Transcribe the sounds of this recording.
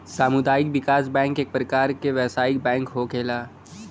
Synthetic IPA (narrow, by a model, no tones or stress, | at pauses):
saːmʊd̪aːjɪkʋɪkaːsbɛ̃ːŋkeːk̚pɾɐkaːɾkeʋɛːsaːɪk̚bɛ̃ːŋkɦokʰeːlaː